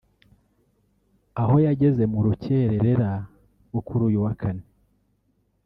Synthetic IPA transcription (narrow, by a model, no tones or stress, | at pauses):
aho̞jaɟe̞ze̞muɾuce̞ɾeɾe̞ɾa | ɡukuɾujuwakʰane